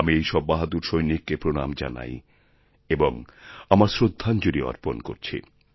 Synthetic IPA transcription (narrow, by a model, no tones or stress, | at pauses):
amiejʃɔbːaɦad̪uɾʃojnikːepɾona̰md͡ʑa̰na̰j | eboŋamaɾsɾod̪ʱːand͡ʑoɾiɔ̰ɾponko̰ɾt͡ɕʰḭ